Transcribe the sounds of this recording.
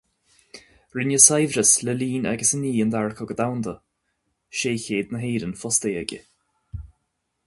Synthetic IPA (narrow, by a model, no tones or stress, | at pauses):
ɹɪnjəsajvɾəsləliːna̰ɡəsəniːənd̪aɹkʰɔɡəd̪awnd̪ə | ʃeːçeːd̪nəɦeːɾənfɔst̪eːɛɡʲə̰